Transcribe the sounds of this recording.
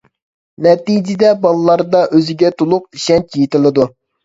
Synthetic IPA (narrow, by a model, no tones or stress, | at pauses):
nɛt̪ijd͡ʒɪd̪ɛbɑlˠlˠːɑɾd̪ɑʔøzɪɡʲɛt̪ʰolˠʊq̚iʃɛnt͡ʃʲʰijit̪ɪlˠɨd̪u